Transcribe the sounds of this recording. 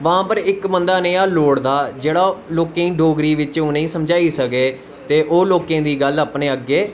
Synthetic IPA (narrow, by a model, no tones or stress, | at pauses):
ʋãːpəɾɪkbənd̪aːnẽːaːloːɽd̪aːd͡ʒeːɽaːloːkẽːĩːɖoːɡɾiːʋɪt͡ʃõːnəĩːsəmd͡ʒaːiːsəkeː | t̪eːʔoːloːkẽːd̪iːɡələpneːəɡːeː